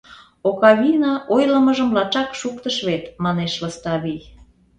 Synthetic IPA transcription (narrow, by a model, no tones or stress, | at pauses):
okɑβinɑʔojləməʒəmlɑt͡ʃɑkʃukt̪əʃβet̪mɑneʃləst̪ɑβij